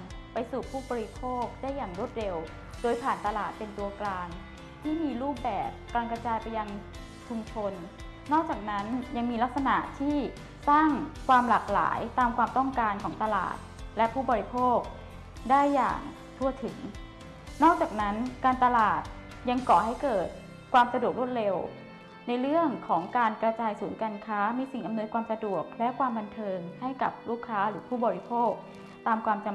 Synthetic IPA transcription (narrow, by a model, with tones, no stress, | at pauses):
pa˧jsuː˨˩pʰuː˥˩bɔː˧ɾi˦˥pʰoː˥˩k̚daː˥˩jːaː˨˩ŋɾu˥˩ət̪̚ɾe˧w | doː˧jpʰaː˨˩nt̪a˧laː˨˩t̪̚pe˧nt̪u˧ɐklaː˧n | t̪ʰiː˥˩miː˧ɾuː˥˩p̚bɛː˨˩p̚kaː˧nkɾa˧t͡ɕaː˧jpa˧ja˧ŋ | t͡ɕʰu˧mt͡ɕʰo˧nː | ɔː˥˩k̚t͡ɕaː˨˩k̚na˦˥nja˧ŋmiː˧la˦˥k̚sa˧na˨˩ʔt̪ʰiː˥˩ | saː˥˩ŋkʰwaː˧mlaː˨˩k̚la̰ː˩˦jt̪aː˧mkʰwaː˧mt̪ɔ˥˩ŋkaː˧nkʰɔː˩˦ŋt̪a˧la̰ː˨˩t̪̚lɛ˦˥pʰuː˥˩bɔː˧ɾi˦˥pʰoː˥˩k̚ | daː˥˩jːa̰ː˨˩ŋ | t̪ʰu˧˩ɐt̪ʰɯ˩˦ŋ | nɔː˥˩k̚t͡ɕaː˨˩k̚na˦˥nkaː˧nt̪a˧laː˨˩t̪̚ | ja˧ŋkɔː˨˩ha˥˩jkɤː˨˩t̪̚ | kʰwaː˧msa˧du˨˩ək̚ɾu˥˩t̪̚ɾe˧w | na˧jɾɯ˥˩əŋkʰɔː˩˦ŋkaː˧nkɾa˧t͡ɕaː˧jsuː˩˦nkaː˧nkʰaː˦˥miː˧si˨˩ŋʔa˧mnɤː˧nkʰwaː˧msa˧du˨˩ək̚lɛ˦˥ʔkʰwaː˧mba˧nt̪ʰɤː˧ŋha˥˩jka˨˩p̚luː˥˩kʰːaː˦˥ɾɯː˩˦pʰuː˥˩bɔː˧ɾi˦˥pʰoː˥˩k̚ | t̪aː˧mkʰwaː˧mt͡ɕa˧